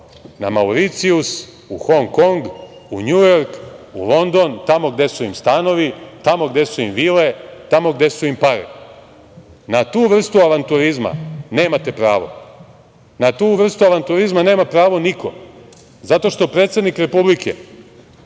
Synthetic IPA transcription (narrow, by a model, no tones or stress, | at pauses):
namauɾit̪sius | uxo̞ŋko̞ŋɡuɲujo̞ɾkṵlo̞nd̪o̞nt̪amo̞ɡd̪e̞suimst̪ano̞ʋit̪amo̞ɡd̪e̞suimʋile̞t̪amo̞ɡd̪e̞suimpaɾḭ | nat̪uːʋr̩st̪uaʋant̪uɾizma̰ne̞ːmat̪e̞pɾaːʋo̞̰ | nat̪uːʋr̩st̪uaʋant̪uɾizmaneːmapɾaːʋo̞nikʰo̞̰ | zat̪o̞ʃt̪o̞pɾe̞t̪sed̪nikɾe̞publikʰḛ